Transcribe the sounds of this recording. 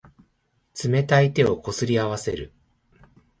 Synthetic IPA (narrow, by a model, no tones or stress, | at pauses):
t͡sɨme̞t̪ait̪e̞o̞ko̞sɨɾʲiaβase̞ɾɯ̟